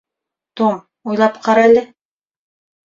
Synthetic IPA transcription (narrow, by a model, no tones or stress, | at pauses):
t̪om | ujlˠɑpqɑɾaælɘ